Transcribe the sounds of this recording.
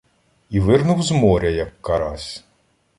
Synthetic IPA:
iʋɪrnʊwzmɔɾʲɐjɐkːɐɾɑsʲ

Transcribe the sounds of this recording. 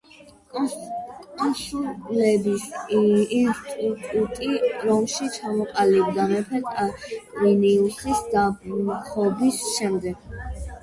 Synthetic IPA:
ɔnsulɛbis | t̪ʼutʼut̪ʼiɾɔmʃit͡ʃʰamɔqʼalibd̪amɛpʰɛt̪ʼakʼiniulˠχisd̪abχʰɔbisʃɛmd̪ɛɡ̥

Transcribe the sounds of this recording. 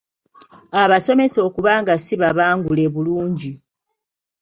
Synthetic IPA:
aβaso̞me̞so̞ːkuβaːŋɡasiβaβaːŋɡule̞βuluːɲɟi

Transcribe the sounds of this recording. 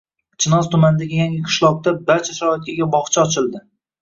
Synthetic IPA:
t͡ʃʰɪnɒzt̪ʰʊmand̪aɡʲajaŋʲaqʰɨ̥ʃlˠɒq̚t̪abaɾt͡ʃʰaʃaɾɒɪt̪̚kʲʰaɡʲabɒχt͡ʃʰaɒt͡ʃʰɪlˠd̪ɪ

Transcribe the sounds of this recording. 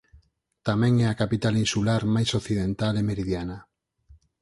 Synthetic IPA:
t̪amẽŋɛakapit̪alinsulaɾmajsokθið̞ẽnt̪alemeɾiðjana

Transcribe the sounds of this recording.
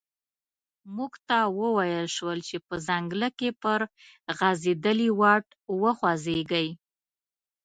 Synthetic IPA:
muɡt̪ɑwəwajəlʃwəlt͡ʃepəzaŋɡləkepəɾ | ɣazed̪əliwɑʈ | wəxwazeɡəj

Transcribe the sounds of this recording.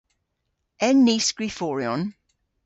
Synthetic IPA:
ɛnːisɡɹifɔɹiɔn

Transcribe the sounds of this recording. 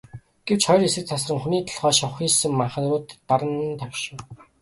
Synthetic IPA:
ɡ̥ewt͡ɕχɔj̆resɘ̆k̚t͡s̪ʰasrə̆ŋxuniːkt̪ʰḁɮχœːʃɔχiːsɘ̆mːaɴχə̆nrʊːt̪ːaɾə̆nt̪ʰakʲʃʊː

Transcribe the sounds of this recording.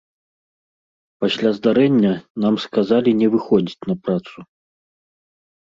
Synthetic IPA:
pasʲlʲazd̪aɾɛnʲːɐnamskazalʲinʲɛvɨxɔd͡zʲit͡sʲnɐpɾat̪su

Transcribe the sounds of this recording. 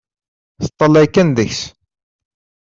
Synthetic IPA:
θət̪ˤːəlːæjkːænðəçs

